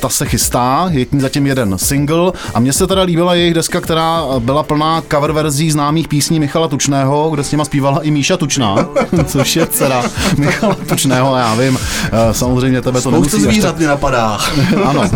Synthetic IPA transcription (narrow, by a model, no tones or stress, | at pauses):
t̪asɛxɪst̪aːjɛkɲiːzacɪmjɛdɛnsɪŋɡl̩ʔamɲɛsɛt̪aɾaliːbɪlajɛjɪɣdɛskakt̪ɛɾaːbɪlapl̩naːkavɛɾvɛɾziːznaːmiːxpiːsɲiːmɪxalat̪ut͡ʃnɛːɦo̞ɡdɛsɲɛmaspiːvalaʔɪmiːʃat̪ut͡ʃnaːt͡soʃjɛt͡sɛɾamɪxalat̪ut͡ʃnɛːɦoajaːvɪmsamozrɛjmɲɛt̪ɛbɛt̪onɛumutsoiziːɾat̪̚ɲɛnapadaːʔano̞